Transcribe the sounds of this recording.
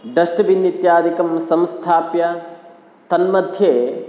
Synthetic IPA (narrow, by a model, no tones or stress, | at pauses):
ɖɐʂʈɐbinjit̪jaːd̪ikɐmsɐmst̪ʰaːpjɐ | t̪ɐnmɐd̪ʱjeː